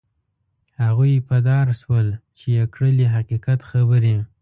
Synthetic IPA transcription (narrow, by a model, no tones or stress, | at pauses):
haɣujpad̪ɑɾʃwəlt͡ʃejakɽəliɦaqiqat̪xabəɾi